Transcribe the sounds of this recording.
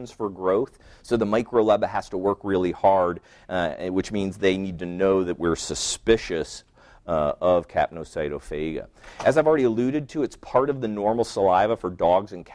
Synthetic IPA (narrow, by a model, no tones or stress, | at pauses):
nz̥fə˞ɡɹoʊθ | soʊðəmaɪkɹoʊlɛbɨɦæz̥təwɜ˞kɹɪlˠihɑɹd | wɨt͡ʃmĩnzðeɪnid̚tʰɨnoʊðɨʔ̚wɪɹsɨspɪʃɨs | ʌv̥kʰæ̰p̚noʊsaɪɾoʊfeɪɡɨ̰ʔɨzaɪvl̩ˠɹɛɾiəlʉɾɨd̚tʰɨɨtspʰɑɹɾʌvðɨnɔɹml̩ˠsəlaɪvəfə˞dɔɡzɨ̃nkʰ